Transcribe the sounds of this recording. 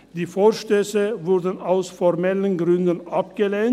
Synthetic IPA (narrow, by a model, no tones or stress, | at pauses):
d̥̪iːfoːʃtøːsəvʊɾdən̩aʊsfɔʁmɛlənɡʁʏnd̪ənʔapɡ̥əleːn